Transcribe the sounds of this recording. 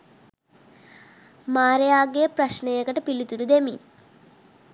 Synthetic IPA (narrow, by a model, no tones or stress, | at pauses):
maːɾejaːɡeːpɾɐɕnɐekɐʈɐpilut̪uɽud̪emḭn